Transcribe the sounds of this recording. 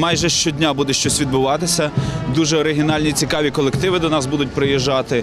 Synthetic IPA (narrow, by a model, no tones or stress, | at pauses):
mɑjʒɛʃt͡ʃɔdʲnʲabud̪ɛʃt͡ʃɔsʲʋʲid̪̚bʊʋɑt̪ɪsʲɐd̪uʒɛɔɾɪɦʲɪnɑlʲnʲit͡sʲikɑʋʲikɔlˠekt̪ɪʋɪd̪ɔnɑsbud̪ʊt̚ʲpɾɪjiʒːɑt̪ɪ